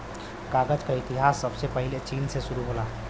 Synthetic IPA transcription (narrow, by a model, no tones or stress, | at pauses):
kaːɡəd͡ʒkaɪt̪iɦaːsːɐbsepəɦɪlet͡ʃiːnseʃʊɾuɦoːlaː